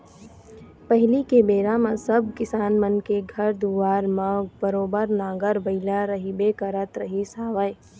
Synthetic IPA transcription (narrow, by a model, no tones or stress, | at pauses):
pɐɦɪlikebeːɾamãsɐb̚ʱkɪsaːnmənkeɡʱɐɾd̪uːʋaːɾmə̃bəɾoːbəɾnaːɡəɾʋɐɪlaɾəɦibeːkəɾət̪ɾɐɦisaːʋəj